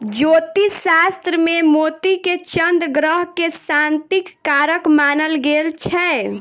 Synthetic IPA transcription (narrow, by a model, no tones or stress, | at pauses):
d͡ʒot̪isast̪ɾəmemot̪iket͡ʃənd̪ɡɾəɦkesant̪ikːaɾəkmanəlɡelt͡ʃʰɛ